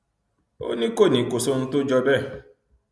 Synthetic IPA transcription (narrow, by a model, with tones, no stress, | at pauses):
o̰˦nĩ˦ko˦˨nĩ˨˦˨ko˨so˦n̩˦to˦d͡ʒɔ˧bɛ˦˨